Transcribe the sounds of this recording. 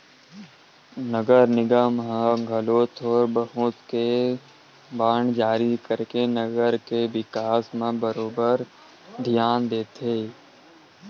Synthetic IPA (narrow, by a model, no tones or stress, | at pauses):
nəɡəɾnɪɡamɦə̃ɡʱəloːt̪ʰɔːɾbəɦũːt̪ke | baːɳd͡ʒaːɾikəɾkenəɡəɾkeʋɪkaːsmẽbəɾoːbəɾ | d̪ʱijaːnd̪eːt̪eː